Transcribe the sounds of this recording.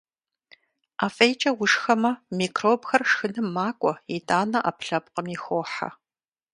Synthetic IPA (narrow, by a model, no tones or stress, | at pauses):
aːfʼejt͡ʃʼɐwʊʂxɐmɐmiːkʰroːbxɐrʂxɨnɨmːaːkʷʼɔidʼaːnɐʔa̰pʰɬɐp̚qəmixʷoːħa̰